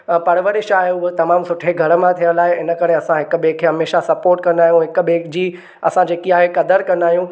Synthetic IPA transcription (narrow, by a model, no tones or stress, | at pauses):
pɐɾʋəɾɪʃaːɦeʊɦot̪ɐmaːmsʊʈʰeɡʱɐɾəmãt̪ʰijəlaːɦeɪnə̆kɐɾeɐsãɦɪk̆ɓeːkʰɦɐmeːʃasɐpoːɾʈkɐ̃nd̪aːijũɦɪk̆ɓeːkʰd͡ʑiː | ɐsãd͡ʑeːkiaːɦekɐd̪əɾkɐ̃nd̪aːɦijũː